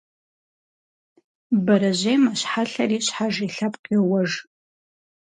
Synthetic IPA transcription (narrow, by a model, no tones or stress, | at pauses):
baɾaʒʷejmaʃħaɬarit͡ʃʷʰħaʐiɬapʰʼqʼawaʐ